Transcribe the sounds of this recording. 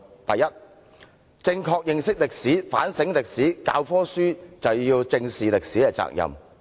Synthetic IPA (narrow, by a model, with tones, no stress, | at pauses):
t̪ɐ˨jɐ˥t̚ | t͡sɪ˧ŋkʰɔː˧k̚jɪ˨ŋsɪ˥k̚lɪ˨k̚siː˨˥fa̰ː˨˥nsɪ˨˥ŋlɪ˨k̚siː˨˥ka̰ː˧wfɔː˥syː˥t͡sɐ˨˩wjiː˧wt͡sɪ˧ŋsiː˨lɪ˨k̚siː˨˥ɛ˧t͡sa̰ː˨k̚jɐ̰˨m